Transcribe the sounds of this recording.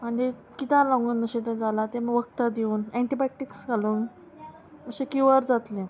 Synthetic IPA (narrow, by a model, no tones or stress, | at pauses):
m̤əɳd͡ʑe | kit̪ãlãŋɡuːnməɕẽt̪ɛ̃d͡zalat̪eməʋək̚t̪ad̪iuːnɛ̃ɳʈibɛʈiksɡaluːn | məɕekuʋəɾd͡zat̪lẽ